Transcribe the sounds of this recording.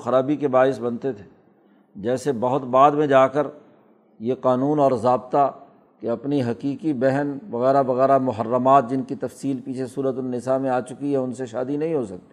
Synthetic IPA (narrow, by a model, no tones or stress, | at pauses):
xɐɾaːbikebaːɪsbɐnt̪et̪ʰe̥ː | d͡ʒɛːsebɐɦʊt̪baːd̪mẽd͡ʒaːkəɾ | jeqaːnuːnɔːɾzaːbt̪a | keɐpniɦɐkiːkibɛɦənʋɐɣɛːɾaʋɐɣɛːɾamʊɦəɾːəmaːt̪̚d͡ʒɪnkit̪ɐfsiːlpiːt͡ʃʰesuːɾət̪ʊnːɪsamẽaːt͡ʃʊkiɦɛʊnseʃaːd̪inɐɦĩɦosɐk̚t̪i̥ː